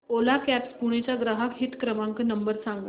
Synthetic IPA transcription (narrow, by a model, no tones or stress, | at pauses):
olakæpspuɽ̃et͡ɕaɡɾaɦakɦit̪kɾəmaŋkənəmbəɾsãŋɡa